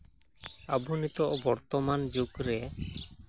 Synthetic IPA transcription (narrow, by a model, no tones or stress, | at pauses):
abunit̪ɔʔbɔɾt̪ɔmand͡ʒuɡɾɛ